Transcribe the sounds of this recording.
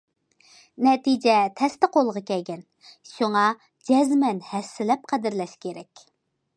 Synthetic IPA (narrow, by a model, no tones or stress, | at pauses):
nɛt̪id͡ʒɛt̪ʰɛst̪ɪqʰolˠʁɑkʲɛlɡʲɛn | ʃuŋɑ | d͡ʒɛzmɛnhɛsːɪlɛp̚qʰæd̪ɪɾlɛʃkʲeɾɛkʲ